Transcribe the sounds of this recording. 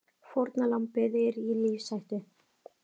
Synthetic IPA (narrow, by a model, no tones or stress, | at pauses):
foɾt̪nalampɪðɪɾiliːfsajht̪ɪ